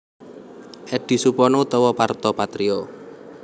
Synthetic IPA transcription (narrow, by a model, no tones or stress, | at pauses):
ʔɛɖ̥i̤supɔnɔut̪ɔwɔpart̪ɔpat̪ɾio